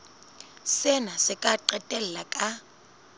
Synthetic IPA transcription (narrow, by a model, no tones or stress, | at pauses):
sɛnasɪkʼaǃɛtʼɛl̩lakʼa